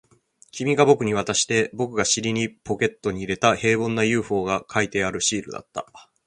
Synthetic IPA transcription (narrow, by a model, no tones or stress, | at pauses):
kʲimʲiɡabo̞kɯ̟ɲ̟iβ̞at̪aɕi̥t̪e̞bo̞kɯ̟ɡaɕiɾʲiɲ̟ipo̞kʲe̞t̪ːo̞ɲ̟iːɾe̞t̪ahe̞ːbõ̞nːajɯ̟ːɸo̞ːɡakʰait̪e̞aɾɯ̟ɕiːɾɯ̟̰d̪a̰t̪ːa̰